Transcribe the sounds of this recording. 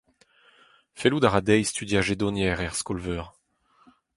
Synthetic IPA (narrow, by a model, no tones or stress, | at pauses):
felud̪aʁad̪ɛjst̪yd̪jaʒed̪ɔnjɛːʁɛʁskɔlvœːʁ